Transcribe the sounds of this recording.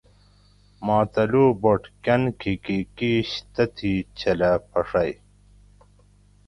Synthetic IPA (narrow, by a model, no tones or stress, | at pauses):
mɑːt̪ɐluːboʈkɐnkikikiːɕt̪ɐt̪ʰit͡ɕʰɐlɐpʰɐʂɐj